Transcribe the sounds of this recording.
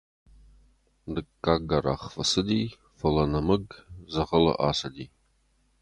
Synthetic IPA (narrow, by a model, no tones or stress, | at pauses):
d̪ɨkːaːɡɐra̰ːχfɐsɨd̪iː | fɐlɐnɐmɨɡzɐʁɐlɐ̰ʔa̰ːsɐd̪iː